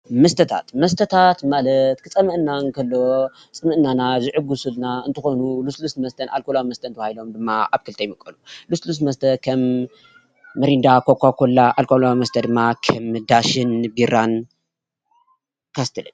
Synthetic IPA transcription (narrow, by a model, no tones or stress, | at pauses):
mɐst̪ʰɐt̪ʰa̰t̪mɐst̪ʰɐt̪ʰat̪malɐt̪kʰɨt͡sʼɐmɨʔɨnːaŋkʰɐlːo | t͡sʼɨmɨʔɨnːanazɨʕɨɡusulnaɨnt̪ʰɨxonuluslusmɐst̪ʰɐnʔa̰lkolawimɐst̪ʰɐnt̪ʰɐβailo̞md̪ɨmːaaβkɨlt̪ʰɐjmɨkʼːɐluluslus̬mɐst̪ʰɐkʰɐm | ɨɾind̪akʰokʷakʰolːaʔalkʰolawmɐst̪ʰɐd̪ɨmːakʰɐmd̪aʃɨnbiɾan | kʰast̪ʰɨlɨ̰n